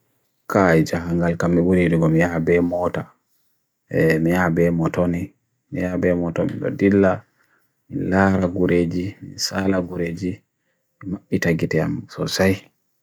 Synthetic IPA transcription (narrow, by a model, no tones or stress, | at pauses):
kajd͡ʒaɦaŋɡalkamːibuɾidiɡɔmijabɛmɔta | ɛmijabɛmɔtoni | mijabɛmɔtɔ̰mḭɗɔ̰dilːa | milaːɾaɡuɾed͡ʒimisalaɡuɾeːd͡ʒi | mimaɓːitaɡitɛa̰msɔ̰saj